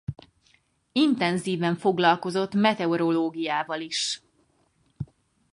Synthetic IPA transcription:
int̪ɛnziːvɛɱfo̞ɡlɒlko̞zo̞t̪mɛt̪ɛoɾoloːɡijaːvɒliʃ

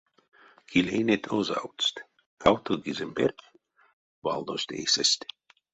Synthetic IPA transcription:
kilʲejnet̪ʰoza̰wt̪st̪ | kʰawt̪ʰoɡizemberk | va̰lˠd̪osʲt̪ḛjsəsʲt̪ʲ

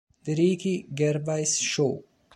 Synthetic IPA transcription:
d̪iɾiːkiɡeɾbajsʃoː

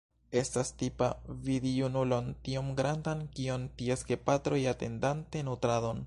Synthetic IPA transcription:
e̞stastipavidiunulo̞ntiomɡɾandankio̞ntieske̞patɾo̞jate̞̰ndante̞nutɾado̞n

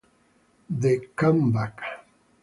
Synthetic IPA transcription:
ðekambak

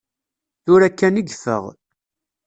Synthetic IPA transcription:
θʊɾækːæniɡfə̰ʁ

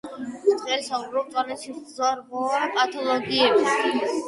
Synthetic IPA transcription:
t̪ʼχʼɛlsaubɾɔt̪ʼwanɛt̪ʃizaɾbuɾɛpʼat̪ʰɔlˠɔɡiɛbi

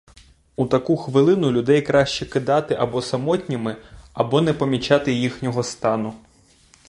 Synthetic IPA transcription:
ut̪ɐkuxʋɪlˠɪnʊlʲʊd̪ɛjkɾɑʃt͡ʃɛkɪd̪ɑt̪ɪʔɐbɔsɐmɔtʲnʲimɪɐbɔnɛpɔmʲit͡ʃɑt̪ɪjixnʲɔɦɔst̪ɑnʊ

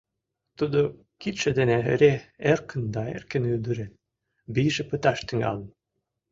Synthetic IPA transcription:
t̪ud̪o | kit̪ʃed̪eneɾeerkə̆nd̪ɑḛrkĕnyld̪əɾen | biʒĕpət̪ɑʃt̪yŋɑ̰lə̆n

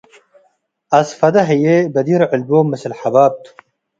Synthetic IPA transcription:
ɐsfɐd̪ɐɦɐjebɐd̪iɾʕɪlboːmɐsilħɐbaːb̚t̪ʰu̥

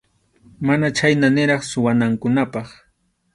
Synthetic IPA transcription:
manat͡ʃajnanɪɾɑχsʊwanaŋkʊnapɑχ

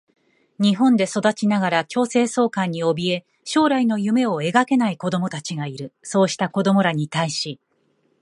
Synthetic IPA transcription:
ɲ̟iɦõ̞nd̪e̞so̞d̪at͡ɕinaɡaɾakʲo̞ːse̞ːso̞ːkãɲ̟ːio̞bʲie̞ | ɕo̞ːɾaino̞jɯ̟me̞o̞e̞ɡake̞naiko̞d̪o̞mo̞t̪at͡ɕiɡaiɾɯ̟so̞ːɕi̥t̪ako̞d̪o̞mo̞ɾaɲ̟it̪aiɕi

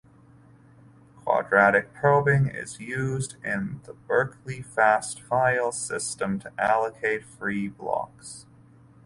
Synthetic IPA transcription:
kʰw̥ɑ̰dɹæɾɨk̚pʰɹ̥oʊbɪ̃ŋɪ̰zjʉzdɪ̃nðəbɜ˞kʰlifæstfaɪl̩ˠsɪstə̃mtʰɨʔælˠəkʰeɪtfɹiblɑ̰ks

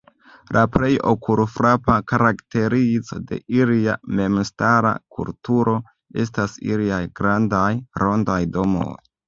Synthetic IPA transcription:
lʔapɾe̞jo̞̰kʰuɾfɾapakaɾakte̞ɾit͡so̞de̞̰ʔiliame̞mstaɾa̰kʰṵltuɾo̞ | e̞̰s̬tasḭliajɡɾandajɾo̞ndajdo̞mo̰j

